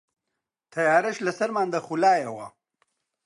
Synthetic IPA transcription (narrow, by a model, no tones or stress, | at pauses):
t̪ʰajaːɾɪʃlasaɾmaːnd̪axulɑːjawa̰